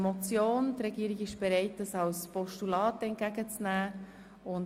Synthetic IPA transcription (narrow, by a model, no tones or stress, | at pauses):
mɔt͡sjoːnt̪rɛɡiəɾiɡɪʃb̥ɛɾɛɪt̚dɑsɑwspɔʃtulɑːtɛnt̚ɡ̥æɡ̥ət͡snæː | ʊn